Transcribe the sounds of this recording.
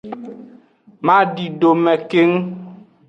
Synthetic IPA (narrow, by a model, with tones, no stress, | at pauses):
mã˦ɖi˨ɖo˨mɛ̃˨ke˦ŋ˦